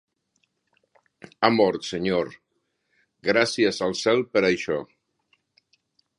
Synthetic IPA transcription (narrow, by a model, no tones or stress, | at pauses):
amoɾseɲoɾ | ɡɾasjezalˠsɛlpeɾajʃɔ